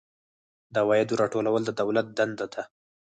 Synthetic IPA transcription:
d̪awɑjad̪uɾɑʈolawəld̪əd̪awlat̪̚d̪and̪ad̪a

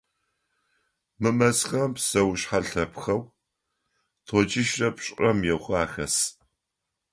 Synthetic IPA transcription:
mɨmɐsxɐmpsɐwɕħaɬɐpxɐw | tʰɔt͡ʃʼɪʃrɐpɕʼɐmjɛwχʷaːxɐs

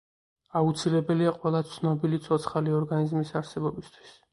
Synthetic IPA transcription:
aut̪sʰilɛbɛliaqʼwɛlˠat̪sʰnɔbilit̪sʰɔt̪sʰχaliɔɾɡanizmisaɾsɛbɔbist̪ʰwi̥s

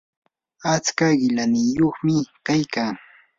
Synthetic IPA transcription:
at͡skaɢɪlanɪjoχmɪkajkaŋ

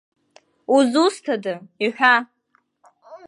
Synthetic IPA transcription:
uzustʰadɨiħʷᶣa

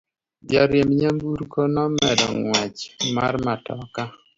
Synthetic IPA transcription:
d͡ʒaɾjemɲambuɾkɔnɔmɛdɔŋwat͡ʃmarmatɔka

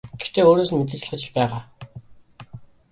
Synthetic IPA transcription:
ɡ̥ext̪eːoːɾoːsɘ̆nmet̪̬ɘ̆t͡ɕɮ̆ɢə̆t͡ɕɪ̆ɮpæːʁaː

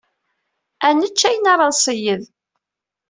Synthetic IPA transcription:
ænət͡ʃːæjənɑɾˤɑðˤsˤəjəð

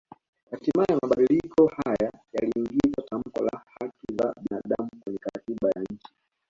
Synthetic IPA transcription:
hatimaiamaɓaɗilikʰɔhajajaliːŋɡizatam̩kɔ̰la̰hatiza̰ɓinaɗamukwɛɲɛkaɾatiɓajaɲ̩t͡ʃi̥

